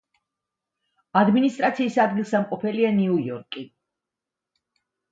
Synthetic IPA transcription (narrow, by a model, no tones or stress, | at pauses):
ad̪minist̪ʼɾʔat̪sʰiːsad̪ɡilˠsamqʼɔpʰɛlianiujɔ̰ɾkʼi